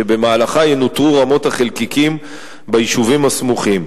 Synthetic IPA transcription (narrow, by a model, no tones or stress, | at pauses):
ebe̞maːlaχajenotʁuʁamo̞thaχelkikim | baiʃuvimhasmuχim